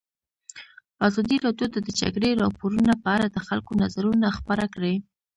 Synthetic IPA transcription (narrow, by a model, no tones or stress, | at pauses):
azɑd̪iɾɑdjot̪ad̪əd͡ʒa̰ɡɽeɾɑpoɾunapəaɾad̪əxalkonazaɾunaxpaɾakɽe